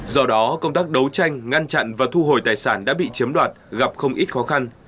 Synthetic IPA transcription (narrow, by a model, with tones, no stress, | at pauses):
zɔ˧ɗɔ˨˦kə˧wŋ͡mt̪aː˦˥k̚ɗə˨˦wt͡ɕa˧jŋ̟ŋa˧nt͡ɕa̰˧˨nvaː˨˩t̪ʰu˧ɦo˨˩jt̪aː˨˩jsaː˧˩nɗa̰ː˧˥ɓḭ˧˨t͡ɕi˨˦əmɗwaː˨˩t̚ɣa˨˩p̚xə˧wŋ͡mʔi˦˥t̚xɔ˨˦xa˧n